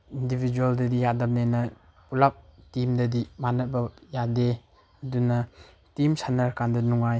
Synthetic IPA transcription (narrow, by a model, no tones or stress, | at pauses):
indibʱid͡ʒualdɐdijadamnenɐ | pulap̚timdɐdimanɐt̚bɐjade | ɐdunɐ | timsanɐɾkandɐnuŋaj